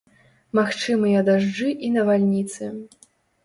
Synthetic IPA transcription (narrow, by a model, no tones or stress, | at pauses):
maxt͡ʂɨmɨjɐd̪aʐd͡ʐɨʔinɐvalʲnʲit̪sɨ